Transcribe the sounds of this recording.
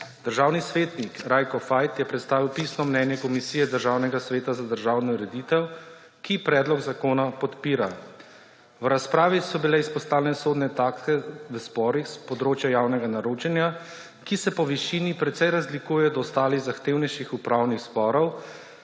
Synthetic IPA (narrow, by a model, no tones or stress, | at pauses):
d̪̥əɾʒaːwnisʋeːt̪nikɾajkɔfajt̪jɛpɾɛt̪st̪aːʋiwpisnɔmnɛnjɛkɔmisiːjɛd̪əɾʒaːwnɛɡasʋeːt̪azad̪əɾʒaːwnɔɾɛd̪it̪ɛw | kipɾɛːd̪lɔɡzakoːnapɔt̪piːɾa | wɾaspɾaːʋisɔbilɛispɔst̪aːwlɛnɛsoːd̪nɛt̪aːkt̪ɛʋəspɔːɾixspɔd̪ɾoːt͡ʃjajawnɛɡanaɾoːt͡ʃɛnja | kisɛpɔʋiʃinipɾɛt̪sɛjɾazlikuːjɛɔd̪ɔːst̪aːliɣzaxt̪eːwnɛjʃixupɾawnixspɔːɾɔw